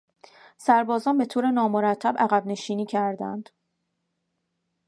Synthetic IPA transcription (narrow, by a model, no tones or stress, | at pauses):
sæɾbɒːzɒːnbe̞t̪ʰoːɾe̞nɒːmoɾæt̪ʰːæbæɣæbne̞ʃiːniːcʰæɾd̪æ̰nd̪̥